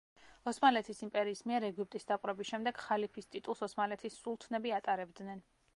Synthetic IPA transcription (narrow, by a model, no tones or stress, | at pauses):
ɔsmalɛt̪ʰisimpʼɛɾiːsmiɛɾɛɡip̚t̪ʼisd̪apʼɾɛbisʃɛmd̪ɛɡ̥χalipʰist̪ʼit̪ʼulˠsɔsmalɛt̪ʰisːulˠt̪ʰnɛbiat̪ʼaɾɛbd̪nɛn